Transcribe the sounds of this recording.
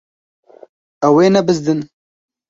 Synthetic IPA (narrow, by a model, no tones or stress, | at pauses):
ɐweːnɐbɨzd̪ɨn